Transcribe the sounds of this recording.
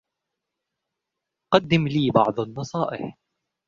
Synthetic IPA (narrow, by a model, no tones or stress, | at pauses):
qɑd̪ːɪmliːbɑ̰ʕd̪ˤanːɨsˤɑːʔɪħ